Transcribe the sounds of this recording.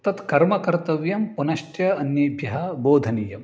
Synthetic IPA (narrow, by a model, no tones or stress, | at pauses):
t̪ɐt̪kɐɾmɐkɐɾt̪ɐʋjɐmpunɐʃʈjɐɐnjɐbʱjɐɦɐboːd̪ʱɐnijɐm